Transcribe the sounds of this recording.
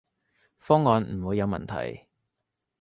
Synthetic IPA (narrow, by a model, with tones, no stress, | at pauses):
fɔː˥ŋːɔː˨˧nm̩˨˩wuː˨˧jɐ˨˧wmɐ̰˨˩nt̪ʰɐ̰˨˩j